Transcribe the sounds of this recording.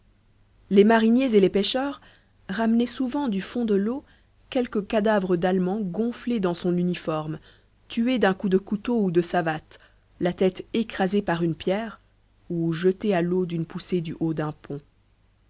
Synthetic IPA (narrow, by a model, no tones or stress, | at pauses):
lemaʁinjezelepeʃœʁ | ʁamnɛsuvɑ̃d̪yfɔ̃d̪əlo | kʲɛlkəkad̪avʁəd̪almɑ̃ɡɔ̃fled̪ɑ̃sɔ̃nynifɔʁm | t̪yed̪ɛ̃kud̪əkut̪oud̪əsavat̪ | lat̪ɛt̪ekχazepaʁynpjɛːʁ | uʒət̪ealod̪ynpused̪yʔod̪ɛ̃pʰɔ̃